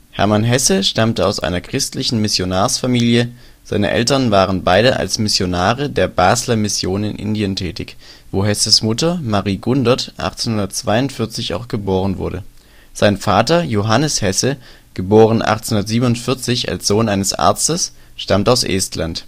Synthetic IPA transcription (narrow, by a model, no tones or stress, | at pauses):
hɛ̰ɐmanɦɛsəʃtamtəaʊsʔa̰ɪnɐkʁ̥ɪstlɪçn̩mɪsjonaːɐsfamiːljə | z̥aɪnə̰ʔɛ̰ltɐnvaːʁ̞ənbaɪɾəʔa̰lsmɪsjonaːʁədeːɐbaːzlɐmɪsjoːnɪ̰nʔɪ̰ndiəntʰɛːtɪçv̥oːɦɛsəsmʊtɐmaʁiːɡʊndɐtʔa̰χt͡senhʊndɐtt͡sv̥aɪʊntfɪɐt͡sɪça̰ʊxɡ̥əboːʁənvʊ̰ɐdə | z̥aɪnfaːtɐjoɦanəshɛsə | ɡ̥əboːʁ̞ənʔa̰χt͡snhʊndɐtz̥iːbən̩ʊntfɪɐt͡sɪça̰lsz̥oːnʔaɪnəsʔa̰ɐt͡stəs | ʃtamtəaʊsʔɛ̰ːstʰlant